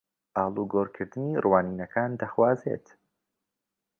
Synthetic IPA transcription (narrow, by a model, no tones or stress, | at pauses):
ʔaːlˠuɡoːɾkʰɨɾd̪ɨnirwaːniːnɐkʰaːnd̪ɐxwaːzḛt̪